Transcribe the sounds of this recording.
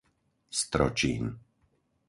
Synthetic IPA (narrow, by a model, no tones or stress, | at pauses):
st̪ɾɔ̰t͡ʃiːn